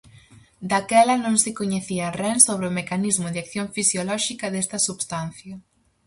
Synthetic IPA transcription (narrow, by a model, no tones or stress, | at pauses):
d̪akɛlɐnõŋsɪkoɲeθiarɛnsoβ̞ɾɪomekanizmʊðeakθjõɱfisjolɔʃikɐðest̪ɐsuβst̪an̟θjɐ